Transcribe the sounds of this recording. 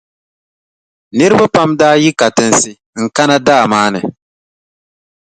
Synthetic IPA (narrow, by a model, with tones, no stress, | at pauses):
nɨ˦ɾɨ˦ba˦pa˦mdaː˦ji˦ka˨tɨ˨n˨sɪ˨ | ŋ̩˨ka˦na˦daː˦˨maː˦nɨ˨